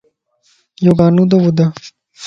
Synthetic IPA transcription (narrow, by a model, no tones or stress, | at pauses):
joɡaːnũːd̪oʋud̪a